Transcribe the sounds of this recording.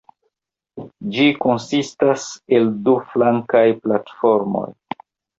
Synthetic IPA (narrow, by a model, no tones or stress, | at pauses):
d͡ʒiko̞nsistase̞lduflaŋkajplatfo̞ɾmo̞̰j